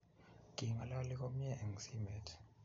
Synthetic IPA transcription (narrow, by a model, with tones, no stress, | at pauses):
ɡ̥ʱi˨ŋa˨la˦lik̬ʼo˦m̩˦ɲɛʔɛ˨ŋsi˦mɛ˨tʰ